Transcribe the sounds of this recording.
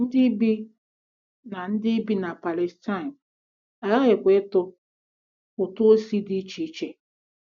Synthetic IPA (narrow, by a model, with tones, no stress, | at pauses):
n̩˦dɪ˦bi˦ | na˨n̩˦dɪ˦bi˦na˨pa˨le˨sta˦ɪ˨n˨ | a˨la˦ɣɪ˨kʷe˨˦tʊ˦ | ʊ˨tʊ˦o˦si˦di˦t͡ʃi˨˦t͡ʃe˦